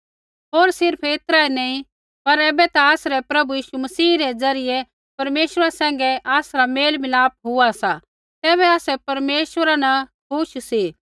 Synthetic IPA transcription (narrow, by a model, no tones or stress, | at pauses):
ɦoːɾsɪɾpʰeɪt̪ɾaenɛĩ | pɐɾɛːbɛt̪aaːsɾɛpɾɐbujiːʃumɐsiːɾɛd͡zɐɾɪjɛ | pɐɾmeːʃəɾasɛ̃ːŋɡɛʔaːsɾameːlmɪlaːp̚ɦʊasa | t̪ɛːβɛaːsɛpɐɾmeːʃʋəɾana | kuʃsi